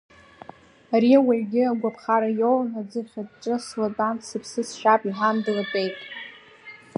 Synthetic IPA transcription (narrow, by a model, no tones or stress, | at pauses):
aɾiawaʕɡʲɪaɡʷapʰχaɾajownad͡zɨχʲadʈ͡ʂʼɨslotʼanʰsɨpʰsɨsʃᶣapʼiħandɨratʼe̞jtʼ